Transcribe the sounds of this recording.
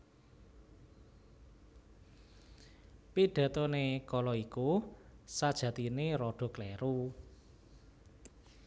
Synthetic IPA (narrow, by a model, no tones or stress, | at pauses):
piɖ̥ä̤t̪ɔnekɔlɔikusad̥ʒ̥ä̤t̪ineɾɔɖ̥ɔ̤klɛɾu